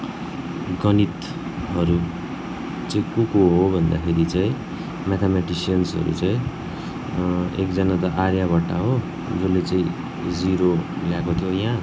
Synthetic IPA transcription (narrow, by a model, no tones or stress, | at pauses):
ɡʌnit̪ | ɦʌɾu | t͡saĩkukoɦobʱʌnd̪akʰeɾit͡saĩ | mat̪ʰamaʈisijʌnsɦʌ̰ɾṵt͡saĩ | ḛkd͡zʌnat̪ʌʔaɾjaβʌʈaɦo | d͡zolːet͡saĩ | d͡ziɾo | ljakot̪ʰjojã